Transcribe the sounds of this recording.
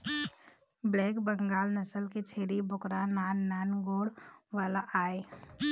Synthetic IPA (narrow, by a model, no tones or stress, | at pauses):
blɛːkbə̃ŋɡaːlnəsəlket͡ʃʰeːɾibʱʊkɾanaːnːaːnɡoːɽʋaːlaʔaːe